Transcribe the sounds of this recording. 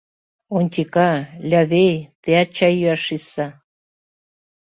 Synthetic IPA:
onʲt̪ʲikɑlʲɑβejt̪eɑt͡ɕajyɑʃisɑ

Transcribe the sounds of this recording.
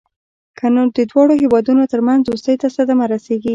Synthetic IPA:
kʰanod̪əd̪wɑɽohewɑd̪unot̪əɾmanzost̪əjt̪asad̪amaɾaseɡi

